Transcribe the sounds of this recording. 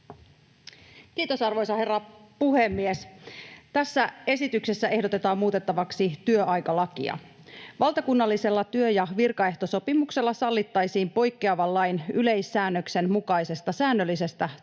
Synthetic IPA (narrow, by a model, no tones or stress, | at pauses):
kiːt̪o̞sɑrʋo̞jsɑhe̞rːɑpuhe̞mːiest̪æsːæe̞sit̪ykse̞sːæe̞hdo̞t̪e̞t̪ɑːmmuːt̪e̞t̪ːɑʋɑksit̪yøɑjkɑlɑkḭɑ̰ | ʋɑlt̪ɑkunːɑlːise̞lːɑt̪yøjɑʋirkɑe̞ht̪o̞so̞pimukse̞lːɑsɑlːit̪ːɑjsiːmpo̞jkːeɑʋɑlːɑjnyle̞jsːæːnːøkse̞nmukɑjse̞st̪ɑsæːnːølːise̞st̪æ